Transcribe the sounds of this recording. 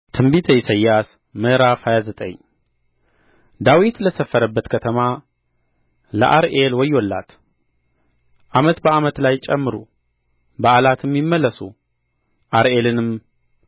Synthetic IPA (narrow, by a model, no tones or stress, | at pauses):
t̪ʰɨmbit̪ʰəjsəjːas | mɨhɾafajazət̪ʼə̰ɲː | d̪awit̪ləsəfːəɾəbːət̪kʰət̪ʰəma | lə̰ʔaɾʔelwɔjolːa̰t̪ | ʔamət̪bəamət̪lajt͡ʃʼɛmːɨɾu | bəʔalat̪ʰɨmːɪmːəlːəsu | ʔaɾelɨnɨm